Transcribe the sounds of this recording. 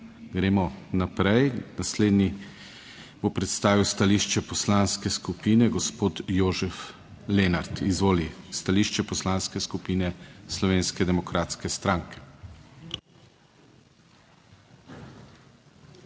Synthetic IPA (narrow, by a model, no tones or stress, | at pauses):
ɡɾeːmɔnapɾɛjnasleːd̪ni | bopɾɛt̪st̪aːʋiwst̪aliʃt͡ʃɛpɔslanskɛskupiːnɛɡɔspoːt̪joːʒɛf | lenaɾt̪izʋoːlist̪aliːʃt͡ʃɛpɔslanskɛskupiːnɛslɔʋeːnskɛd̪ɛmɔkɾʔaːt̪skɛst̪ɾaːŋkɛ̥